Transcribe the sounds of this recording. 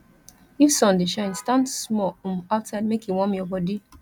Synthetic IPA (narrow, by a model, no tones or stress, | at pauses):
ifsɔ̃ndeʃãɪ̃nstãndsmɔũmaʊtsaɪdmekjiwɔ̃mjɔbɔdi